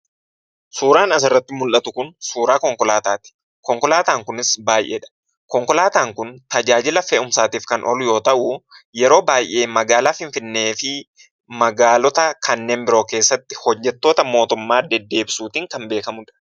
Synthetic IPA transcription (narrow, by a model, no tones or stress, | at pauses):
suːɾaːnɐs̬ɪrːɐt̪ːɪmʊlʔɐt̪ʊkʊnsuːɾaːkɔŋkɔlaːt̪aːt̪ɪ̥ | kɔŋkɔlaːt̪aːŋkʊnɪsbaːjʔḛːᶑɐ̥ | kɔŋkɔlaːt̪aːŋkʊnt̪ɐd͡ʒaːd͡ʒɪlɐfɛʊmsaːt̪iːfkɐnʔɔ̰lʊjo̞ːt̪ɐʔʊjɛɾo̞ːbaːjʔe̞ːmɐɡaːlaːfɪnfɪnːe̞ːfɪ | mɐɡaːlɔt̪ɐkʰɐnːe̞ːnbɪɾo̞ːke̞ːsːɐt̪ːɪ̥hɔd͡ʒːɛt̪ːo̞ːt̪ɐmo̞ːt̪ʊmːaːd̪ɛd̪ːe̞ːbsuːt̪iːŋkɐmbeːkɐmʊᶑɐ̥